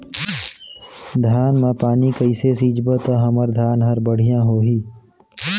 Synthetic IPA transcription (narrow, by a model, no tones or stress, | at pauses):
d̪ʱjaːnmẽpaːnikəɪsesiːd͡ʒbət̪əɦəməɾd̪ʱjaːnɦəɾbəɽ̤ijãɦoːɦiː